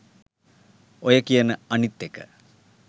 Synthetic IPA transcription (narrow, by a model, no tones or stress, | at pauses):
ojɐkijɐnəɐnit̪ːekːə̥̰